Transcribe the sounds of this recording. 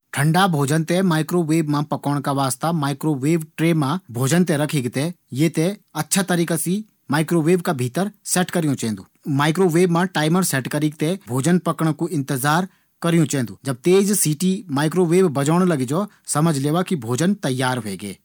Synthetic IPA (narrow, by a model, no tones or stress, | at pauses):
ʈʰə̃ɳɖabʱoːd͡ʒənt̪ɛmaːɪkɾoːʋeːbmãpɐkɔːɽ̃kaʋaːst̪amaːɪkɾoːʋeːbʈɾeːmãbʱoːd͡ʒənt̪̬ɛ̃ɾɐkʰeːɡt̪ɛ | jet̪ɛɐtːʃʰat̪əɾiːkasi | maːɪkɾoːʋeːbkabʱiːt̪əɾsɛːʈkɐɾɪjõt͡ʃɛɦɛ̃nd̪uːmaːɪkɾoːʋeːbmãʈaːɪməɾsɛːʈkəɾiːɡ̚t̪ɛbʱoːd͡ʒənpɐkəɽ̃kuɪ̃nt̪ɪzaːɾ | kɐɾijũt͡ʃɛɦnd̪uːd͡ʒɐb̚t̪eːd͡ʒsiːʈimaːɪkɾoːʋeːbbɐd͡ʒəːɽ̃lɐɡid͡ʒɔ | sɐməd͡ʒʱleːʋakibʱoːd͡ʒənt̪ɐjːaːɾɦʊḛːɡḛː